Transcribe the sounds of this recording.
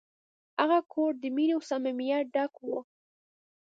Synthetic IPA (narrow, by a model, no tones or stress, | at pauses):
aɣakʰoɾd̪əminewsamamijaɖakwo